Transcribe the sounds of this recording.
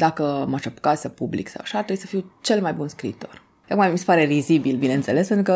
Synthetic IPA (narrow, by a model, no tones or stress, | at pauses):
d̪akəmaʃapkasapublḭksa̰waʃat̪ɾeujsəfiwt͡ʃe̞lmajbunskɾḭːt̪o̞̰r | jokmamisepaɾerizibilbineɨnt̪se̞lespent̪ɾukə